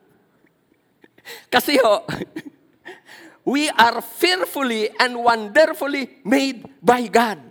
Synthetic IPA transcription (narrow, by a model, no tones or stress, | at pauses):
kasiɦɔʔ | wiʔarfirfuliɛ̃nwãndərfulimed̚bajɡad̚